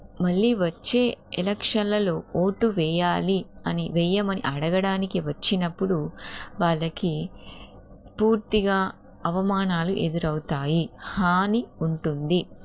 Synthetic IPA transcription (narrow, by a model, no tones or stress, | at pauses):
mɐɭːiːʋɐt͡ʃːe̞ːɛlɐkʂɐnlɐlo̞ːoːʈuʋɛːjaːliɐniʋɛːjɐmɐnḭʔɐɽɐɡɐɽaːnikiʋɐt͡ʃːinɐpːuɽuʋaːɭːɐki | puːɾt̪iɡaːɐʋɐmaːnaːluʔe̞d̪uɾɐwut̪aːjihaːniuɳʈund̪i